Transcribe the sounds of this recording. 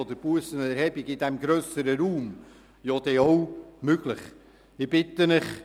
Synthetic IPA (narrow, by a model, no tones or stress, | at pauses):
ɔd̪əɾb̥uəsənɛɾhɛbiɡɪd̪ɛmɡɾœːsəɾəɾuːm | jod̪ɛɔwmøɡləχ | ɪb̥ɪt̪ənɪχ